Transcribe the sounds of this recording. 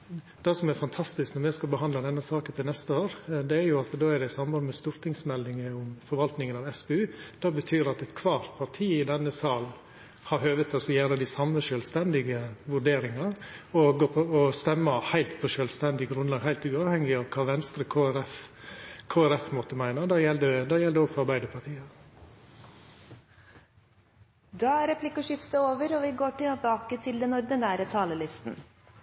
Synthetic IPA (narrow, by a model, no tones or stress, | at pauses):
d̪̥ɛsɔmɛɾfɑnt̪ʰɑst̪ɪsknɔɾmɛskɑbəɦɑnd̪ləd̪ɛnːəsɑːkənt̪ʰɪlnɛst̪əoːɾd̪ɛæɾjʊɑt̪d̪oːæɾd̪ɛɪsɑmbɑnmɛst̪ʊɾt̪ʰɪŋsmɛld̪ɪŋəʊmfɔɾʋɑlt̪nɪŋənɑʋɛsbɛʉːd̪̥ɑːbət̪ʰyːɾɑt̪ɛt̪kʰʋɑːɾt̪̚pʰɑɾt̪ʰiːɪd̪ɛnːəsɑːl | hɑɾhøːʋət̪ʰɑsɔjæːɾəd̪ɪsɑmːəʃœːlst̪ɛnd̪ɪɡəʋʉɖeːɾɪŋɑɾoɡɔst̪ɛmːəhæɪlt̪pʰɔʃœːlst̪ɛnd̪ɪɡɾʉnlɑːɡhæɪlt̪ʉːɑʋhɛŋːɪɑʋkʰɑːʋɛnst̪ɾəkʰoːæɾɛf | kʰoːæɾɛfmɔt̪ːəmæɪnɑd̪ɑjɛld̪əd̪ɛjɛld̪əɔːɡfɔɑɾbæɪd̪əpʰɑt̪ʰiːə | d̪ɑːæɾɛpʰlɪkːɔʃʏft̪əoːʋəɾɔʋɪɡoːʈɪbɑːkət̪ʰɪld̪ɛnɔɾd̪ənæːɾət̪ʰɑːləlɪst̪n̩